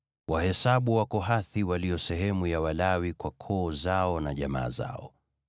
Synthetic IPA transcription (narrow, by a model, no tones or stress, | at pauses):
wahɛsaɓuwakɔɦaθiwalijɔsɛɦɛmujawalawikwakʰɔːzaɔnaʄama̰ːza̰ɔ